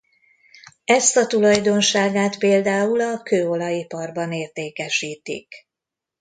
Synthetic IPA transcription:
ɛst̪ɒt̪ulɒjd̪o̞nʃaːɡaːt̪peːld̪aːulɒkøːo̞lɒjipɒrbɒneːrt̪eːkɛʃiːt̪ḭk

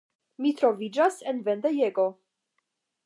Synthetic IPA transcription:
mit̪ɾovid͡ʒasenvɛnd̪ejeɡo

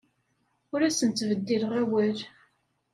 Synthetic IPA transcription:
ʊɾæsənt̪ːvəd̪ːilʁæwæɾ

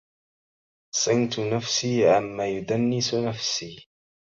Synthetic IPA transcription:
sˤɨnt̪ʊnafsiːʕamːaːjʊd̪anːɪsnafsiː

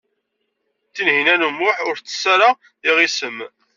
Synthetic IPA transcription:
θinhinænumːʊħʊɾt͡sːə̥sːæɾa | iʁisəm

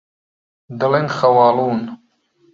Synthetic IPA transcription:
d̪ɨlenxɐwaːluːn

